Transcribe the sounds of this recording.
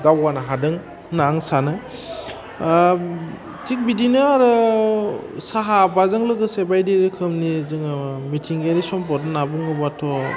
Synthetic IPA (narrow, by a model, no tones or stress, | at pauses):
dawanaɦadɯŋ | naːŋsanɯ | tʰik̚bidinɯaɾɯ | saɦabazɯŋlɯɡɯsebajdeɾikʰɯmnizɯŋmitʰiŋɡeɾisɔmpɔdɯnabuŋɯbatʰɔ